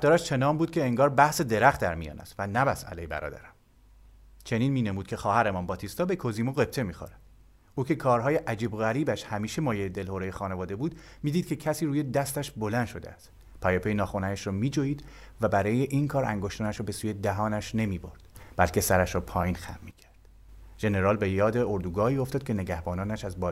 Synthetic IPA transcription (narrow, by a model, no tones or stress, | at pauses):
d̪ɒːɾæʃt͡ʃʰe̞nɒːmbuːd̪̥̚cʰʲe̞ːŋɡɒːɾbæhse̞d̪eɾæxt̪̚d̪æɾmijɒ̰ːnæ̰st̪vænæbæsæ̰lejbæ̰ɾɒ̰ːd̪æ̰ɾæm | t͡ʃʰe̞niːnmiːne̞muːd̪̥̚cʰʲe̞xɒːhæɾemɒnbɒːt̪ʰist̪ɒːbe̞kʰoziːmoɣe̞b̚t̪ʰe̞miːxo̰ɾæ̥ | uːcʰe̞kʰɒːɾɦɒːjeʔæd͡ʒiːboɣæɾiːbæʃhæmiːʃe̞mɒːjejed̪e̞lhoɾejexɒːne̞vɒːd̪e̞buːd̪miːd̪iːd̪̚cʰecʰæsiːɾuːje̞d̪æst̪æʃbo̞læn̥ʃo̞d̪eæst̪ | pʰæjepejnɒːxonææʃrɒːmiːd͡ʒojiːd̪ | væbæɾɒːjeʔinkʰɒːɾæ̰ŋɡoʃt̪ɒːnæʃɾɔːbe̞suːje̞d̪æɦɒːnæʃne̞miːboɾd̪̥b̥ælcʰʲe̞sæɾæʃɾɒːpʰɒːjiːnxæ̰mːiːcʰæɾd̪̥ | ʒ̥e̞ne̞ɾɒːlbe̞jɒːd̪e̞oɾd̪uːɡɒːiːo̞ft̪ɒːd̪̚cʰe̞ne̞ɡæhbɒːnɒːnæʃæzbɒː